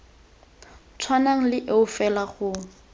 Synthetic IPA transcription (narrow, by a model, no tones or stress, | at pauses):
t͡sʰwanaŋ̩lɪʔeʊfɛlaɣʊ